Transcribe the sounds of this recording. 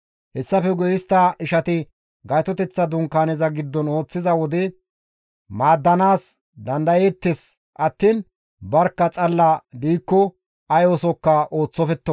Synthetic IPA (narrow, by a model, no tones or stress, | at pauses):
hɛsːɐfɛɡɔjɪst̪ːɐʔɪʃɐt̪ɪ | ɡɐjt̪ɔt̪ɛt͡sːɐd̪ʊŋkaːnɛzɐɡɪd̪ːɔno̞ːt͡sːɪzɐwɔd̪ɛ | maːd̪ːɐnaːs | d̪ɐnd̪ɐjeːt̪ːɛs | ʔɐt̪ːiːn | bɐɾkːɐt͡sʼɐlːɐd̪iːkːɔ | ɐjoːsɔkːɐʔo̞ːt͡sːɔfɛt̪ːɔ